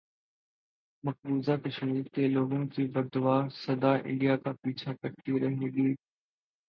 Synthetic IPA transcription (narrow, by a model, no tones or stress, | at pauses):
mɐk̚buːzakeʃɐmiːɾk̪eloːɡõkibɐɾd̪ʊʋaːɾsɐd̪aːʔɪ̰̃ɳɖijakapiːt͡ʃʰakɐɾt̪iɾɐɦneɡiː